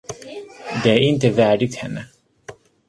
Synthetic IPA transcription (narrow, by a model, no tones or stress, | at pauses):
d̪ɛæɾɪnt̪əvæːɖɪt̪hɛnːə